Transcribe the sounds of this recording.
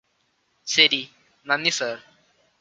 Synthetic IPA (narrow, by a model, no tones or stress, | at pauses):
seɾi | nanːisəɾ